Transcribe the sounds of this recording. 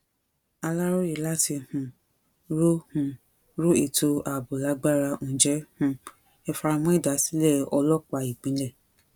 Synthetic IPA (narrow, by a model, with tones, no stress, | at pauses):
a˧la˦ɾo˦je˨la˦ti˧hũ˧˨ | ɾo˦hũ˧ | ɾo˦e˦˨to˧a˨bo˨la˨˦ɡ͡ba˦˨ɾa˧ũ˨d͡ʒɛ˨˦hũ˦˧ | ɛ˧fa˧ɾa˧mɔ̃˦i˦˨da˨˦si˦lɛ˦˨ɔ˧lɔ˦˨k͡pa˧i˨ɡ͡bĩ˨˦lɛ˦˨